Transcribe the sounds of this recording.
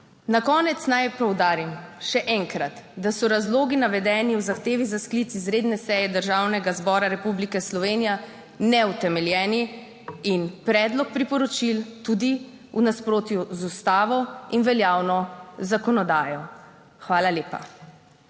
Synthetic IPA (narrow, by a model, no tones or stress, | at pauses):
nakɔːnɛt̪snajpɔwd̪aːɾimʃɛʔɛŋkɾat̪d̪asɔɾazloːɡinaʋɛd̪ɛːniwzaxt̪eːʋizasklit̪sizɾeːd̪nɛsɛjɛd̪əɾʒaːwnɛɡazbɔːɾaɾɛpublikɛslɔʋeːnija | nɛwt̪ɛmɛljɛːni | inpɾɛd̪lɔk̚pɾipɔɾɔt͡ʃilt̪ud̪i | unaspɾoːt̪juzust̪aːʋɔinʋɛljaːwnɔzakɔnɔd̪aːjɔ | xʋaːlaleːpa̰